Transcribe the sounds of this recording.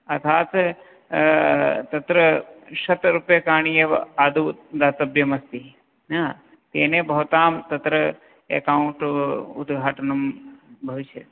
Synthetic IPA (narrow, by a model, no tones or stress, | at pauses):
ɐt̪ʰaːt̪ | t̪ɐt̪ɾɐʃɐt̪ɾupjɐkaːɳijɐaːd̪ʱud̪aːt̪ɐbjɐmɐst̪i | naː | t̪eːnebʱɐʋt̪aːmt̪ɐt̪ɾɐ | ḛkauɳʈṵd̪ɡʱaːʈɐnɐmbʱɐʋiʃjɐ̰